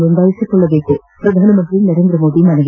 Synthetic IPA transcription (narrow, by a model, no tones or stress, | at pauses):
und̪aːʋɐsiʈːuɭːɐʋeːkːe | pɾɐd̪ʱaːnɐmɐnd̪rinɐɾe̞ːnd̪ɾɐmo̞ːd̪imɐnɐɡ